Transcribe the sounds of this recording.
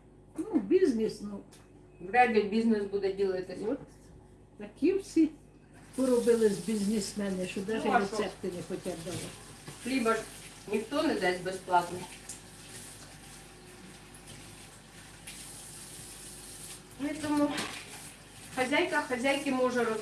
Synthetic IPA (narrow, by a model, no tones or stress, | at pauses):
nubʲizʲnʲisnu | wɾɑd̪ʲlʲibʲiznɪsbud̪ɛdʲilˠɐt̪ɪ | t̪ɐkʰiwsʲi | pɪɾɔbɪlˠɪzʲbʲizʲnʲismɛnɪʃɔd̪ɑʒsɛɾesɛpt̪ɪnɛxɔtʲɛd̪ɐlˠɪflʲibɐr | nʲixt̪ɔnɛd̪ɛsʲbɛsplˠɑt̪nɔ | nʊit̪ɔmu | xɐzʲajkɐxɐzʲajkɪmɔʒɛɾɔ